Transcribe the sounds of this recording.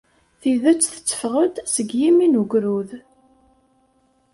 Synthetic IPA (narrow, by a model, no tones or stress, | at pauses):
θiðæt͡sːθə̥t͡sːə̥fʁəd̪səɡjiminuɡɾuð